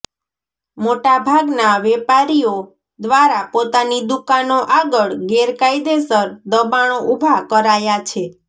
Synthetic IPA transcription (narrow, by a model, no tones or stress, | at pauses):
moʈabʱaɡnaʋɛpaɾijo | d̪ʋaɾapot̪anid̪ukanoʔaɡəɭɡeɾkaid̪esəɾd̪əbaɳ̃oʔubʱakəɾajat͡ʃʰe